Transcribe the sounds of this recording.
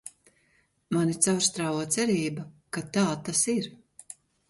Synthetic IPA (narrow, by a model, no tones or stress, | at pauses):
manit̪sawɾst̪ɾaːvuɔt̪sɛɾiːbakat̪aːt̪asiɾ